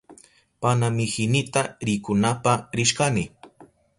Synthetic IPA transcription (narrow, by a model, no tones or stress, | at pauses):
panamɪhɪnɪt̪aɾɪkʊnapaɾɪʃkanɪ